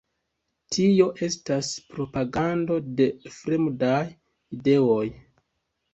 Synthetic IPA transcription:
tʰio̞ʔe̞staspɾo̞paɡando̞de̞fɾemdaj | ide̞o̞j

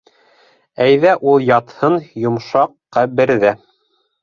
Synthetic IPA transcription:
æjðæʔulˠjɑt̪hɤnjŏmʃɑqːɑbɘ̆ɾðæ

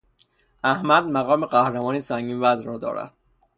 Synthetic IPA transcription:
ʔæhmæd̪̚mæɣɒːmeɢæhɾemɒːnisæŋɡʲiːnvæzɾɒːd̪ɒ̰ːɾæ̰d̪̥

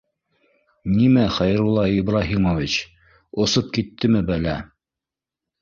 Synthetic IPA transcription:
nimæχæjɘ̆ɾulˠːɑibɾaɦimovʲit͡ɕ | ŏsɤp̚kit̪ːɘmɘbælæ

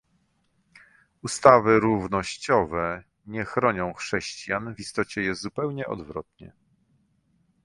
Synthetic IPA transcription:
ust̪avɘɾuvnɔɕt͡ɕɔvɛ | ɲɛxɾɔɲɔ̃w̃xʂɛɕt͡ɕjanvist̪ɔt͡ɕɛjɛzupɛwɲɛʔɔ̰d̪vɾɔ̰t̪ɲɛ̰

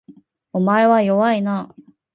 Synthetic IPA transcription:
omae̞βajo̞βaina

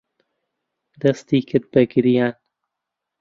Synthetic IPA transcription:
d̪ɐst̪iːkʰɨt̪̚bɐɡɪɾijan

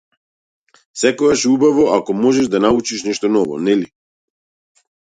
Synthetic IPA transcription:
sɛkɔɡaʃɛubavɔakɔmɔʒɛʒd̪anaut͡ʃiʃnɛʃt̪ɔnɔvɔ̰nɛli

